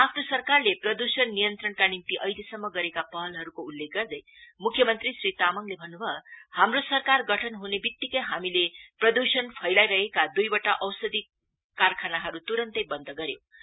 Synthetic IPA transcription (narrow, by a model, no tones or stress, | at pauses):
apʰnosʌrkarleprʌd̪usʌnːijʌnt̪rʌnkanimt̪iʔʌjlesʌmːʌɡʌɾekapʌɦʌlɦʌɾukoulːek̚ɡʌrd̪ʌj | mukʰjʌmʌnt̪risrit̪amʌŋlebʱʌnːubʱʌhamrosʌrkarɡʌʈʰʌnɦunebik̚t̪ikʌjɦamileprʌd̪usʌnpʰʌjlajɾʌɦekad̪ujbʌʈaʔʌwsʌd̪i | karkʰanaɦʌɾut̪uɾʌnt̪ʌjbʌnd̪ʌɡʌɾjo